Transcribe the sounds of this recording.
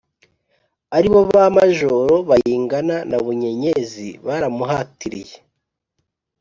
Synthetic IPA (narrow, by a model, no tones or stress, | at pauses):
aɾiβoβamaʒoɾo̞βajiːŋɡananaβuɲe̞ɲezḭβaɾamuɦaːtiɾḭje